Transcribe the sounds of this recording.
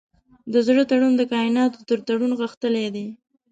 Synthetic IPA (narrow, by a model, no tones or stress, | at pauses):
d̪əzɽət̪aɽund̪əkɑɪnɑt̪o̥t̪əɾt̪aɽunɣəxt̪əled̪e